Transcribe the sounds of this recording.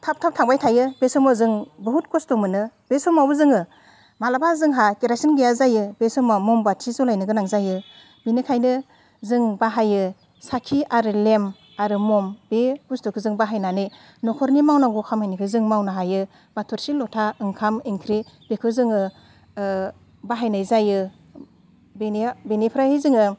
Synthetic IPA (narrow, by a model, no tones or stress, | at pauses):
tʰap̚tʰap̚tʰaŋbajtʰajɯbesɔmɔzɯŋbɯɦutkɔstɔmɯnɯb̥esɔmawbɯzɯŋɯ | malabazɯŋɦakeɾasinɡejazajɯbesɯmamɔmbatʰizɔlajnɯɡɯnaŋzajɯ | binɯkʰajnɯ | zɯŋbaɦajɯ | sakʰiaɾɯlem | aɾɯmɔmb̥ebustukʰɯzɯŋbaɦajnanɯj | nɔkʰɔɾnimawnaŋɡɔkʰamhajnikʰɯzɯŋmawnaɦajɯ | batʰɔɾsilɔtʰaɯŋkʰamiŋkʰɾi | b̥ekʰɯzɯŋɯ | baɦajnɯjzajɯ | benibenipʰɾahajzɯŋɯ